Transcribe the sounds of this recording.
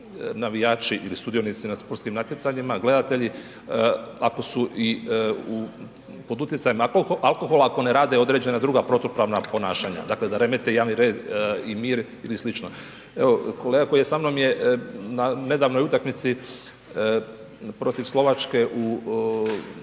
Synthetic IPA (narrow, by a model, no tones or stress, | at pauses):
naʋijaːt͡ʃiʔilist̪ud̪ijonit̪sinaspoɾtskimnat̪jet̪saɲimaɡle̞d̪at̪e̞ʎi | ako̞suʔiu | po̞d̪ut̪jesajimalˠko̞xo̞laako̞neɾaːd̪eo̞d̪ɾe̞d͡ʑe̞nad̪ɾuɡapɾo̞t̪opɾaʋnapo̞naːʃaɲa̰d̪aːkle̞d̪aɾe̞met̪ejaːʋniɾe̞ːd̪imiːɾ | ilislit͡ʃno̞ | e̞ʋo̞ko̞leɡako̞ijesamno̞mje̞nane̞d̪aʋno̞jut̪akmit̪si | pɾo̞t̪iʋslo̞ʋat͡ʃke̞ʔu